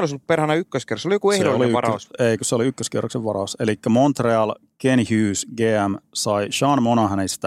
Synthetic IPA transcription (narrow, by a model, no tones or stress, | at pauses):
olisolːupperhænæykːøskerˑsolijokuehdooliyʋɑrɑːøseikøseoliykːøskḛrːokseʋʋɑɾɑuselikːæmont̪reɑlkenhyːsɡeːæmsɑiʃɑnmonɑhænest̪æ